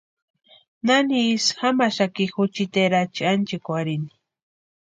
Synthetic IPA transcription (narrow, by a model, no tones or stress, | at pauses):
naniːsxamaʃakixut͡ʃit̪eɾat͡ʃiant͡ʃikʷaɾini̥